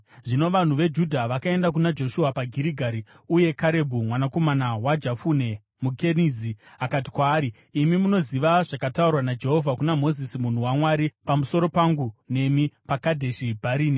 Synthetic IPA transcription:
ʐino̞ʋan̤uʋe̞d͡ʒudʱaʋakae̞ndak̬unad͡ʒo̞ʃuapaɡʱiɾiɡʱaɾi | uje̞kaɾe̞bʱumwanako̞manawad͡ʒafune̞ | muke̞niziakat̬i̥kwaːɾiː | mimuno̞ziʋaʐakataurwanad͡ʒe̞ɦo̞vʱakunamo̞zisimun̤uwamwaɾipamuso̞ɾo̞paŋɡune̞mipakadʱe̞ʃibʱaɾiːni

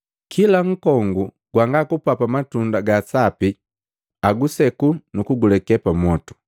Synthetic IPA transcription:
kʰilaŋ̩kɔŋɡu | ɡ̥waŋɡakupapamatundaɡasapi | aɡusɛkunukuɡulɛkɛpamɔtu̥

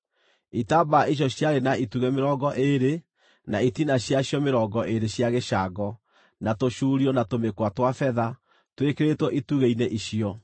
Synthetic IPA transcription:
itabaiɕ̬jɔɕjaɾenaituɣɛmeɾɔːɡɔʔeɾe | naitinaɕjaɕjɔmeɾɔːɡɔʔeɾeɕjaɣeʃaɡɔ | natoʃuːɾiɔnatomekwatwafɛða | twekeɾetwɔʔituɣeineʔiɕiɔ

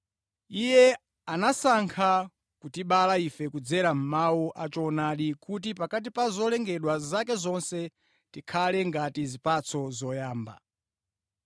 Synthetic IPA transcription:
ijɛ | anasaŋkʰa | kutiɓalaifɛkud͡zɛɾam̩mawɔʔat͡ʃɔnaɗikut̬ipakat̬ipazɔlɛŋɡɛɗwazakɛzɔnsɛ | tikʰalɛŋɡatizipat͡sʰɔzɔjaːmba̰

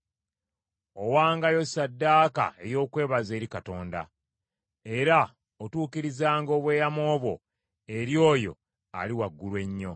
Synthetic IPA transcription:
o̞waːŋɡajo̞sadːaːka̰e̞jo̞ːkwe̞ːβaze̞ːɾikato̞ːnda̰ | e̞ɾa | otuːkiɾizaːŋɡo̞ːβwe̞ːjamo̞ːβwo̞̰ | e̞ɾjo̞ːjo̞̰ | a̰liwaɡːulwe̞ɲːo̞

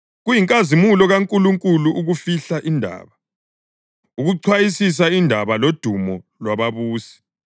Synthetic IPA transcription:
ɣujiŋkʼazimulɔɣaŋkʼuluŋkʼuluʔuɣufiɬaʔindʱa̰ːβa | uɣuǀʰwajisis̬aindʱaβalod̥ʱumɔlwaβaβuːsi̥

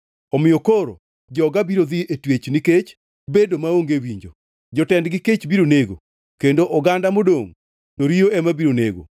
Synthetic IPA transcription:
ɔmɪjokoɾo̰ | d͡ʒɔɡabiɾod̪iʔetwet͡ʃniket͡ʃ | bedomaoŋɡewiɲd͡ʒo | d͡ʒɔtɛndɡɪket͡ʃbiɾoneɡo̰ | kendoʔɔɡandamodoŋ | toɾioɛmabiɾoneɡo̰

